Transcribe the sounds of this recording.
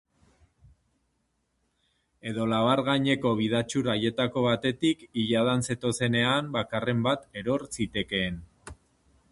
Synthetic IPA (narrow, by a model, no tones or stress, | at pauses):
e̞ðo̞laβaɾɣaɲe̞ko̞β̞iðat͡ʃuɾaje̞t̪ako̞β̞at̪e̞t̪ikiʎaðanse̞t̪o̞se̞ne̞ambakare̞mbat̪e̞ɾo̞ɾsit̪e̞ke̞ːn